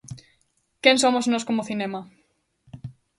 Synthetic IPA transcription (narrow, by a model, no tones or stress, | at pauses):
kensomoznoskomoθinema